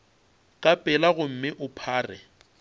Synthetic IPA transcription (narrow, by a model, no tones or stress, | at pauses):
kʼapʼɛlaɣʊm̩mɪʔʊpʰaːrɛ̰